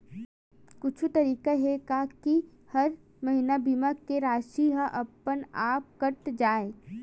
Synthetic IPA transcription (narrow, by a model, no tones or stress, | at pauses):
kʊt͡ʃʰut̪ɐɾiːkaɦɛkaki | hɐɾ | mɐɦɪnabimakːeɾaːʃiɦaʔɐpənaːp̚kɐʈd͡ʒaːe